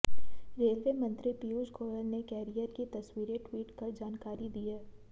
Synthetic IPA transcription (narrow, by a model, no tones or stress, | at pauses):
ɾeːlʋeːmɐ̃nt̪ɾipiud͡ʒɡʱoːləɾnekɛːɾijəɾkit̪ɐswiːɾeʈwiːʈkɐɾd͡ʒaːnkaːɾid̪iːɦɛː